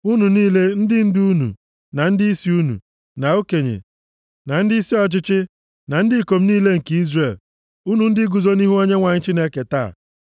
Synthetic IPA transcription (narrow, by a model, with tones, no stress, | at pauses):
u˦nu˨niː˦le˦n̩˦dɪ˦n̩˦du˦nṵ˨ | na˨n̩˦dɪ˦i˦si˦u˦nṵ˨ | na˨o˦ke˨ɲḛ˨ | na˨n̩˦di˦si˦ɔ˦t͡ʃɪ˦t͡ʃɪ˦ | na˨n̩˦dɪ˦˨ko˨m̩˦niː˦le˦ŋ̩˨ke˦i˦zre˨l | u˦nu˨n̩˦dɪ˦ɡu˨zo˦ni˦ɦu˦o˦ɲe˦ŋʷa˨ɲɪ˦t͡ʃi˦ne˦ke˨ta˦˨